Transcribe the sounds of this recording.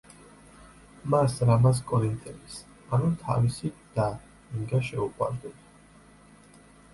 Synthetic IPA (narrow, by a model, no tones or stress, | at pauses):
masɾamas̬kʼɔɾint̪ʼɛnis | anut̪ʰa̰visid̪̥a | iŋɡaʃɛuqʼwa̰ɾd̪ɛd̪a